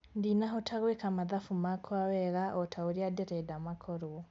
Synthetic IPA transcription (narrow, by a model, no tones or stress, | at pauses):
ndinaɦotʰaɣwekamaðafumakʰwawɛɣaʔɔtʰaoɾiadeɾɛdamakʰɔɾoɔ